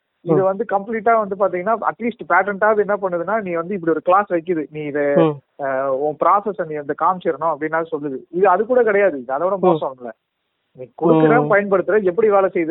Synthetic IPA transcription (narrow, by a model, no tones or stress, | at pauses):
ɪðɯʋɐnd̪ɯkɐmpliːʈːaːʋɐnd̪ɯp̬aːɾt̪iːŋɡɐnːaːɐ̰ʈliːsʈpɛːʈɛɳʈaːɐðɛnːɐpɐɳːɯðɯnːaːnĩːʋɐnd̪ɯɪp̬ːɐɽiɔɾɯklaːsʋɐɪk̬ːɯðɯnĩːɪðɐ | õpɪɾaːsɛsniːɛnd̪ɐkaːmt͡ʃɛɾɐnʊ̃ɐpːɐɽɪnːaːɣɐsɔlːɯðɯɪðɯɐðɯkːuːɽɐkɪɽɐjaːðɯɪðɐðɐkːɔːɽɐmoːsɐ̃mlːɐ̰ | nĩːkɔɽɯkːɯɾẽːpɐjɐnpɐɽɯt̪ːɯɾɐɛpːɐɽiʋeːlɐsɛjðɯ